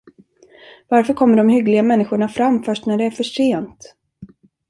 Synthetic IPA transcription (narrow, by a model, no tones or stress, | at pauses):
vaɾfœɾkʰɔmːəɖɔmhʏɡlɪɡamɛnːɪɧʊɳafɾamːfœʂʈnæɖɛæɾfœʂeːnt̪